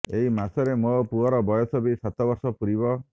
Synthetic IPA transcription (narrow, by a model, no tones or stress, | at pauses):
eɦimasɔɾemopuɔɾɔbɔjɔsɔbisat̪ɔbɔɾsɔpuɾibɔ